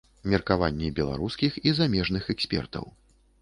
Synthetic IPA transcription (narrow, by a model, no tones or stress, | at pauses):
mʲɛrkavanʲːibʲɛlˠa̰ɾuskʲixizamʲɛʐnɨxɛksʲpʲɛ̰rt̪ɐ̰w